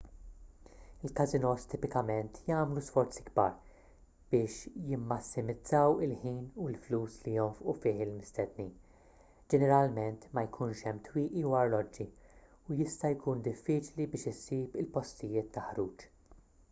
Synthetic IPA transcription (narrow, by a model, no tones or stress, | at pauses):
ɪlkɐzɪnɔst̪ɪːpɪkɐmɛnt̪ʰjɐːmlusfɔɾt͡siɡbɐ̰ːɾ | b̥ɪːʃjɪmːɐsːɪmɪd͡zɐwɪlħiːnuɪlfluːslijɔɱfʔufɪːħɪlmɪst̪ɛd̪niːn | d͡ʒɛnɛɾɐlmɛnt̪mɐjkʰuːnʃɛmːt̪wiːʔiwɐɾlɔd͡ʒːi | ujɪst̪ɐjkuːnd̪ɪfːiːt͡ʃlibɪːʃɪsiːpɪlpɔst̪ɪjɪːt̪ːɐħɾuːt͡ʃ